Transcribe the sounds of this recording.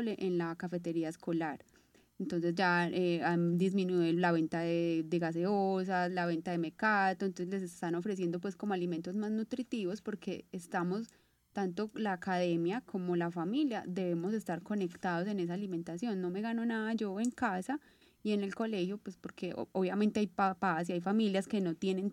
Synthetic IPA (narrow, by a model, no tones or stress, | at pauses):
le̞ʔenlakafe̞t̪e̞ɾiaeskʰo̞laɾ | ent̪o̞nse̞zd͡ʒaeand̪izmĩnwiðolaβe̞nt̪aðed̪eɣas̬e̞os̬aslaβe̞nt̪aðe̞me̞kat̪ont̪onsele̞sest̪ano̞fɾe̞s̬je̞nd̪opwe̞sko̞mo̞aliment̪o̞zmaznut̪ɾit̪iβo̞spo̞ɾkʰe̞ːst̪amo̞s | t̪ant̪o̞laːkaðe̞mjakʰo̞mo̞lafamiljad̪e̞βe̞mo̞se̞st̪aɾko̞ne̞kt̪aðo̞s̬e̞ne̞s̬aːlimẽnt̪asjo̞nːo̞me̞ɣano̞naðad͡ʒo̞e̞ŋkasa | ie̞ne̞lko̞le̞xjopwespo̞ɾke̞oβjament̪e̞ajpapas̬iajfamiljaske̞no̞t̪je̞nẽ̞n